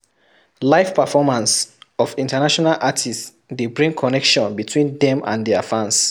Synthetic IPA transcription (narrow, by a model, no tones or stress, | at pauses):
laɪfpəfɔmãnsɔfĩntanaʃɔnalʔatʰis | debɹĩŋkʰɔnɛkʃɔ̃nbitʰwĩndɛ̃mã̰ndɛafãns